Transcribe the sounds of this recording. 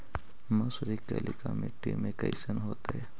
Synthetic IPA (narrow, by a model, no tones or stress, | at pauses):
masʊɾikḛlḭkameʈiːmẽkɐɪsənɦoːt̪aɦɛː